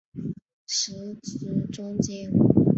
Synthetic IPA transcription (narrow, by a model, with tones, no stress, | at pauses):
ʂɻ̩˧˥t͡s̩˥˩ʈ͡ʂʊ˥ŋt͡ɕjɛ˥n